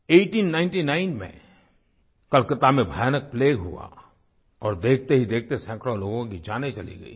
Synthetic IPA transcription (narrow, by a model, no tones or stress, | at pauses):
eːʈiːnːãːɪ̃nʈinaːɪnmḛ̃ | kɐlkət̪amẽbʱajanək̚pleːɡɦṵa̰ | ɔːɾd̪eːkʰt̪eɦid̪eːk̚ʰt̪esɛ̃ːkɾoloːɡõkid͡ʒaːnet͡ʃɐlḭɡə̰ḭː